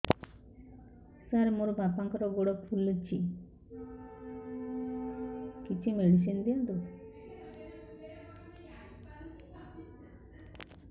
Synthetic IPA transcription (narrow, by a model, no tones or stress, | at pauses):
saɾmoɾbapaŋkɔɾɔɡoɽɔkfʰulːut͡ʃʰi | kit͡ʃʰimilis̬ind̪ijand̪o